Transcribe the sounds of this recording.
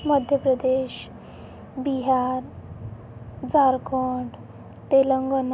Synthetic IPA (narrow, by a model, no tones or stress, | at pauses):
məd̪ʱjəpɾəd̪eɕ | biɦaɾ | d͡zaɾkɔɖ | t̪eləŋɡən